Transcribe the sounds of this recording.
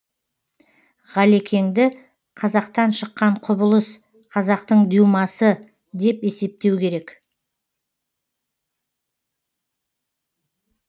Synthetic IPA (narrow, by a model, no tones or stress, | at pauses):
ʁɑle̞kʲe̞ŋd̪ɪ | qʰɑzɑqt̪ɑnʃəqːɑɴqʰʊbəlˠəs | qʰɑzɑqt̪əɴd̪juwmɑsə | d̪e̞pe̞se̞p̚t̪e̞wkʲʰe̞ɾe̞k